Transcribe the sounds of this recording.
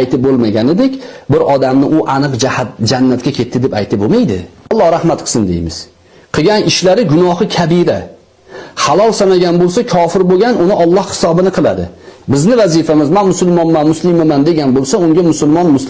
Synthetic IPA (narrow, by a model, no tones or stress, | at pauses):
ajt̪ɪp̚bolˠmaɡʲanɪd̪ekʲbɪɾʔɒd̪amnɪʔʊʔanɨqd͡ʒahat̪̚d͡ʒanːat̪kʲakʲʰe̞t̪ʰːɪd̪epa̰jt̪ʰɪbomajd̪ɪ̰ɒlˠːɒhɾahmat̪qʰɨ̥sɨnd̪e̞̰jmɪz̥ | qʰɨɡʲanɪʃlaɾɪɡʊnɒhɨkʲʰabɪɾa | halˠɒlˠsanaɡʲanbolˠsakʰɒfɪɾboɡʲanʔʊnɪʔɒlˠːɒhhɪ̥sɒbɪnɨqʰɨlˠa̰d̪ɪ̰bɪznɪvazifamɪzmanmʊsʊlˠmɒmːanmʊslɪmamand̪e̞ɡʲanbolˠsaʊŋɡʲamʊsʊlˠmɒnmʊs